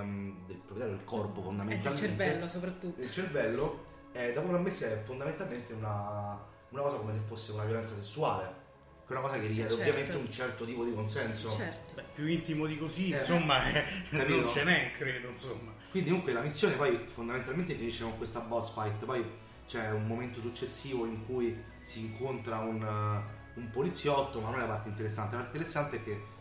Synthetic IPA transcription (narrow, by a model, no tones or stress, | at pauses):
d̪elpɾoved̪ɛɾod̪elkɔrpofond̪ament̪almt͡ʃeɾntɛelːosopɾat̪ːut̪ːlt͡ʃervɛlːo | ɛd̪akoɾamːesːeɛfond̪ament̪alment̪euna | unakɔːsakomes̬efːosːeunavjolɛnt̪sasesːuaːle | kɛunakɔːsakeiɛɾeobjameneunt͡ʃɛrt̪ot̪iːpod̪ikonsɛnssot͡ʃɛɾt̪opjuint̪imod̪ikosinsomːaɛaiːnot͡ʃenɛkɾeːd̪oinsomːakwind̪ikomuŋkwelamisːjoːnepɔjfond̪ament̪alment̪̬efiniʃːekoŋkwest̪abɔsfajt̪pɔj | t͡ʃɛumːoment̪osut͡ʃːesːiːvoiŋkuj | siːŋkont̪ɾaun | umpolit̪sːjɔt̪ːomanːonɛlːapart̪eint̪eɾesːant̪elaaɾt̪eneɾesːant̪eɛkːe